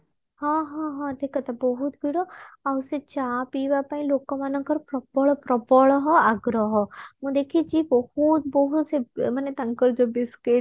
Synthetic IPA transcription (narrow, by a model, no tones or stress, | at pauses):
ɦãɦɦãʈʰikat̪abɔɦut̪bʱiɽoaʊset͡ʃaːpiːʋapaĩloːkːɔ̃manɔ̃ŋkəɾpɾɔpɔɭpɾɔpɔɭɦɔaɡɾɔɦɔmũd̪eːkʰiid͡ʒibɔhut̪̚bɔɦut̪semənet̪ɐ̃ŋkəɾd͡ʒobɪske